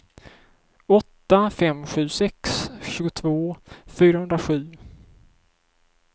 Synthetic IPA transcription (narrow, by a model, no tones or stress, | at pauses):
ɔt̪ːafɛmɧʉ̟ːsɛksɕʉ̟ːɡʊt̪ʰvoːfyːɾahɵnd̪ɾaɧʉ̟ː